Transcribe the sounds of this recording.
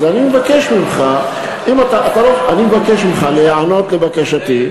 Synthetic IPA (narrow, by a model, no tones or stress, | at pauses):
zanimevakeʃmimχa | imat̪aʔat̪aloanimevakeʃmimχaleano̞t̪levakeʃati